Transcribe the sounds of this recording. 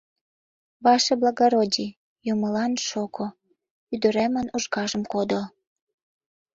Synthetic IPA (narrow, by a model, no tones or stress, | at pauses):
βɑʃeblɑɣoɾodʲi | joməlɑnʃoko | yd̪ə̆ɾemənuʒɣɑʒəmkod̪ə